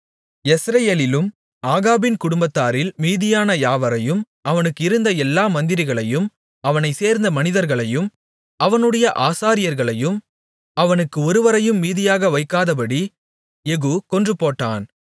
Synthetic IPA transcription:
ɛsɾɐjeːlɪlɯm | aːɣaːbɪnkʊɽʊmbɐt̪ːaːɾɪlmiːðɪjaːnɐjaːʋɐɾɐjɯm | ɐʋɐnɯkːɪɾɯnd̪ɐɛlːaːmɐnd̪ɪɾɪɣɐɭɐjɯm | ɐʋɐnɐɪseːɾnd̪ɐmɐnɪðɐɾɣɐɭɐjɯm | ɐʋɐnɯɽɐjɐʔaːsaːɾɪjɐɾɣɐɭɐjɯm | ɐʋɐnɯkːɯɔɾɯʋɐɾɐjɯmːiːðɪjaːɣɐʋɐɪkːaːðɐp̬ɐɽi | ɛɣuːkɔndrɯpːoːʈːa̰ːn

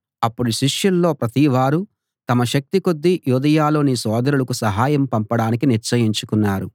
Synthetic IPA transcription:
ɐpːuɽuʃiʂjɐlːo̞ːpɾɐt̪iʋaːɾu | t̪ɐmɐʃɐk̚t̪iko̞d̪ːijuːd̪ɐjaːlo̞ːniːsɔːd̪ɐɾulɐkusɐɦaːjɐmpɐmpɐɽaːnikiniɾt͡ʃɐjiɲt͡ʃukunːaːɾu

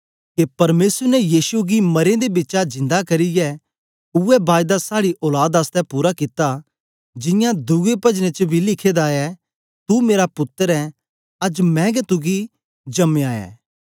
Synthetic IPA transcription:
kepɐɾmeːsəɾnɛjiːsuɡimɐɾẽd̪ebɪtːt͡ʃad͡ʒɪ̃nd̪akɐɾijɛ | ʊɛbaːjd̪asaːɽiʔɔːlaːd̪ast̪ɛpuːɾakɪt̪a | d͡ʒɪ̃jãd̪uɡepɐd͡ʒnet͡ʃbʱilɪkʰeːd̪aɛ | t̪umeːɾapʊt̪ːəɾɛ | ɐd͡ʒmɛ̃ɡɛt̪ʊɡi | d͡ʒɐmeaːɛ̰ː

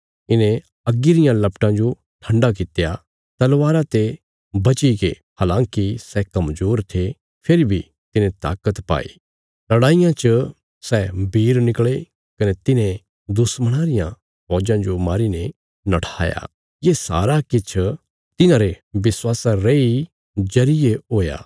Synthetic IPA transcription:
ɪnẽ | ɐɡɪɾɪjãlɐpʈãd͡ʒo | ʈʰɐ̃ɳɖak̬ɪt̪ja | t̪ɐlʋaːɾat̪e | bɐt͡ʃiɡḛ | haːlãːŋkisɛkɐmd͡ʒoːɾt̪ʰe | pʰeːɾibʱi | t̪ɪnẽt̪a̰ːkət̪pa̰ːḭ | lɐɽaːɪjãt͡ʃə | sɛbʱiːɾnɪkɭe | kɐnet̪ɪnẽ | d̪ʊsməɽ̃aːɾɪjã | ɦɔːd͡ʒãd͡ʒomaːɾinẽ | nɐʈʰa̰ːja̰ | jesa̰ːɾakɪt͡ʃʰ | t̪ɪnãɾeʋɪswaːsaɾei | d͡ʒɐɾɪeɦoːja̰ː

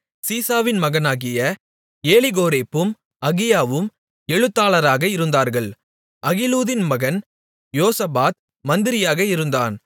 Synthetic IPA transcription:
siːsaːʋɪnmɐɣɐnaːɣɪjɐ | eːlɪɣoːɾeːpːɯm | ɐɣɪjaːʋɯm | ɛɻɯt̪ːaːlɐɾaːɣɐɪɾɯnd̪aːɾɣɐɭ | ʔɐɣɪluːðɪnmɐɣɐn | joːsɐbaːt̪̚ | mɐnd̪ɪɾɪjaːɣɐɪɾɯnd̪a̰ːn

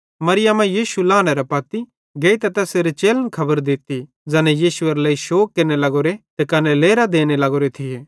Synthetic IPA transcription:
mɐɾɪjamɛ̃jiːsulaːnɛɾɐpɐːt̪i | ɡeːit̪ɛt̪ɛseɾet͡ʃeːlənkʰɐbəɾd̪ɪt̪i | d͡ʒɐnɛjiːsʊɐɾlɐːiʃoːkːeːɾnelɐɡoːɾet̪ekɐnɛleːɾad̪eːnelɐɡoːɾet̪ʰɪeː

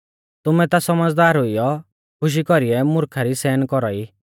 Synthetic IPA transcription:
t̪ʊmɛt̪asɐməd͡zd̪aːɾɦʊijɔ | kʰʊʃ̬ikɔɾiɛmʊɾkʰaɾisɛːnkɔɾɔi

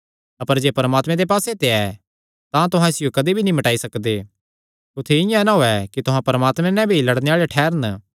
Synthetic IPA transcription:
ɐpəɾd͡ʒeːpɐɾmaːt̪mɛ̃d̪epaːset̪eɛ | t̪ãt̪ʊɦãɪsɪjokɐd̪ibʱinĩmɐʈaːisɐkd̪e | ʊt̪ʰːeɪjãnãɦoɛkit̪ʊɦãpɐɾəmaːt̪mɛ̃nɛ̃bʱilɐɽneaːɭeʈʰɛːɾən

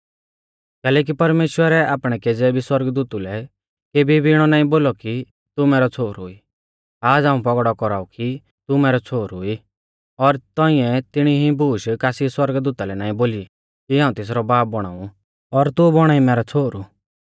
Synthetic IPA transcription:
kɛːlɛːk̬ipɐɾmeːʃwəɾɛʔaːpɽ̃ɛkeːd͡zɛbʱiswɐɾɡəd̪uːt̪ulɛ | keːbʱibʱiɪɽ̃ɔnaːĩboːlɔki | t̪umɛːɾɔt͡sʰoːɾɦʊi | aːd͡zaːũpɔɡɽɔkɔɾaːuki | t̪umɛːɾɔt͡sʰoːɾɦʊi | ɔɾt̪ɔĩɛt̪ɪɽ̃iɦibʱuːʃkaːsiswɐɾɡd̪uːt̪alɛnaːĩboːli | kiɦãːũt̪eːs̬ɾɔbaːp̚bɔɽ̃a̰ːũ | ɔɾt̪ubɔɽ̃aimɛːɾɔt͡sʰoːɾu

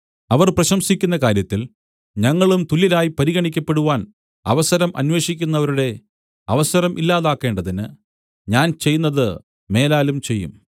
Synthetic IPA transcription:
ɐʋɐrprɐɕɐmsikʲːunːɐkaːɾjɐt̪ːil | ɲɐŋːɐɭumt̪ulːilaːjipɐɾiɣɐɳikʲːɐpːe̞ɽuʋaːn | ɐ̰ʋɐsɐɾɐmʔɐ̰nwe̞ːɕikʲːunːɐʋɐɾuɽe̞ | ɐʋɐsɐɾɐmʔilːaːðaːkːe̞ːɳɖɐðinɨ | ɲaːnt͡ɕe̞jːunːɐðɨ | me̞ːlaːlumt͡ɕe̞jːṵm

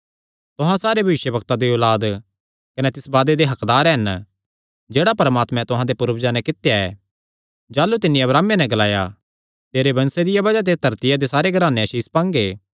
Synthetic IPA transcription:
t̪ʊɦãsaːɾebʱɐʋɪʃjəbɐkt̪ad̪eɔːlaːd̪ | kɐnɛt̪ɪsbaːd̪ed̪eɦɐkd̪aːɾɦɐn | d͡ʒeːɽapɐɾmaːt̪mɛ̃t̪ʊɦãd̪epʊɾəbd͡ʒanɛ̃kɪt̪ejaɛ̰ː | d͡ʒaːlut̪ɪnːĩɐbɾaːmenɛ̃ɡɐlaːja | t̪eːɾebɐ̃nsed̪ɪjabɐd͡ʒad̪̬et̪ɐɾt̪ɪjad̪esaːɾeɡʱɐɾaːneɐʃiːspãːŋɡeː

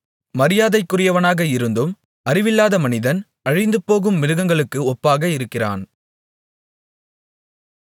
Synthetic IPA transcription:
mɐɾɪjaːðɐɪkːʊrɪjɐʋɐnaːɣɐɪɾɯnd̪ɯm | ɐrɪʋɪlːaːðɐmɐnɪðɐn | ɐɻɪnd̪ɯpːoːɣɯmːɪɾɯɣɐŋɡɐɭɯkːɯɔpːaːɣɐɪɾɯkːɪra̰ːn

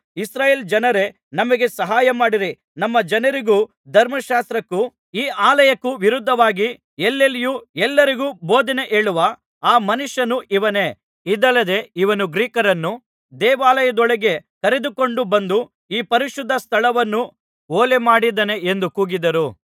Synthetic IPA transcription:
isɾaːjeːld͡ʒɐnɐɾe̞ | nɐmɐɡe̞sɐɦaːjɐmaːɽiɾi | nɐmːɐd͡ʒɐnɐɾiɡuː | d̪ʱɐɾmɐʃaːst̪ɾɐkːu | iːaːlɐjɐkːuʋiɾud̪ʱːɐʋaːɡi | elːelijuɛlːɐɾiɡuːboːd̪ine̞ʔeːɭuʋɐ | aːmɐnuʃjɐnuʔiʋɐne̞ | id̪ɐlːɐd̪e̞iʋɐnuɡɾiːkɐɾɐnːu | d̪ɛːʋaːlɐjɐd̪ɔɭeɡe̞kɐɾed̪uko̞ɳɖubɐnd̪u | iːpɐɾiʃud̪ʱːɐst̪ʰɐɭɐʋɐnːu | oːlemaːɽid̪ɐne̞end̪ukuːɡid̪ɐɾu

